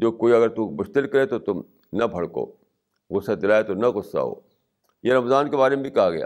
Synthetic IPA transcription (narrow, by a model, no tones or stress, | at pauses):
d͡ʒoːkoːiɐɡəɾt̪ubʊʃt̪ɪlkɐɾet̪ot̪ʊm | nɐbʱɐɽko̰ː | ɣʊsːad̪ɪɾaːet̪onɐɣʊsːa̰ɦo̰ː | jeɾɐmzaːnkebaːɾemebʱikɐɦaɡɐja̰ː